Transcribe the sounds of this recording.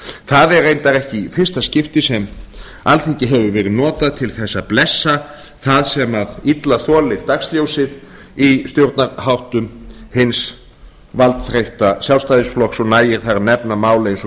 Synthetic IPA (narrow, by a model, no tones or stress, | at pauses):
θaðɛɾejnt̪aɾɛhcɪfɪr̥st̪ascɪft̪ɪsɛm | alθeɲcɪɦɛvʏvɛːɾɪðnɔːt̪aðt̪ʰɪlθɛsːaplɛsːa | θaðsɛmaðit̪laθɔːlɪɣt̪akst̪ljowsɪð | ist̪jowɾt̪naɾhawht̪ʏmhɪns | valt̪θɾejht̪asjalvst̪ajðɪsflɔksɔɣnaːjɪɾ̥θaɾanɛpnamaːwlaɪns